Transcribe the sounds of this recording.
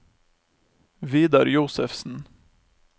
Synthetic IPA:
ʋiːd̪ɑɾjuːsəfsn̩

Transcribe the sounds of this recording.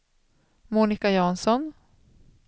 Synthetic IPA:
muːnɪkajɑːnsɔn

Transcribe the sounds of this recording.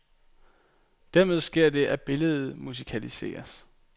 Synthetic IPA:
d̥æɐme̝ð̞ˠsɡ̥e̝ɐ̰d̥e̝ʔæb̥e̝ləð̞̩ˠmus̬ikʰælise̝̰ːɐs

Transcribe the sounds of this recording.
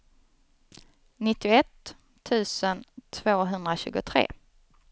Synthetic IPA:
nɪt̪ːɪʊɛt̪ʰː | ʉ̟ːsənt̪ʰvoːɦɵnd̪ɾaɕʉ̟ːɡʊt̪ʰɾḛː

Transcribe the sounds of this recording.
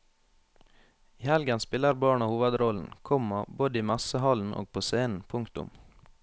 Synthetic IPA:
iːhɛlɡənspɪləɾbɑːɳɑhuːʋəd̪ɾɔln̩kʰɔmɑboːd̪əiːmɑsəhɑln̩ʔo̰ːɡ̚pʰoːseːnn̩pʰʊŋkt̪ʊ̰m

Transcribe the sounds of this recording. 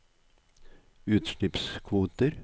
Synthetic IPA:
ʉːt̪ʃlɪpskʰʋuːt̪əɾ

